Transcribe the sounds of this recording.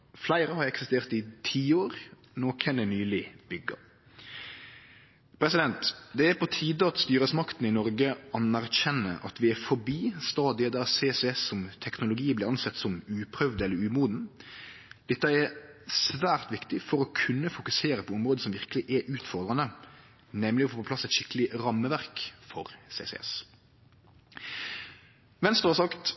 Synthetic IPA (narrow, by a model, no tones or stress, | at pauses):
flæɪɾəhɑɾɛksɪst̪eːʁt̪ɪt̪ʰiːoːɾ | noːkʰɛnɛnyːlɪb̥ʏɡːɑ̰ | pʰɾɛsɪd̪ɛnt̪d̪ɛæɾpɔt̪ʰiːd̪əɑt̪st̪yːɾəsmɑkt̪n̩ɪnɔɾɡəʔɑnæɾçɛnːəʔɑ̰t̪ʰʋɪæɾfɔɾbiːst̪ɑːd̪ɪəd̪ɛseːsɛsːɔmt̪ʰɛknʊlʊɡiːblɪɾɑnsɛt̪ːsɔmʉːpʰɾœʋd̪əɛlːəɾʉːmuːd̪n̩ | d̪̥ɛt̪ːəɛsʋæːʁt̪ʋɪkt̪ɪfɔɾɔkʰʉnːəfʊkʉseːɾəpʰɔɔmɾʁoːd̪əsɔmʋɪʁkəlɪʔɛʔʉːt̪fɔʁd̪ɾɑnə | nɛmlɪɔfoːpɔplɑsɛt̪ʃɪkːəlɪɾɑmːəʋæʁkfɔɾsḛːsɛ̰ɛ̰s | ʋɛnst̪əʁhɑsɑkt̪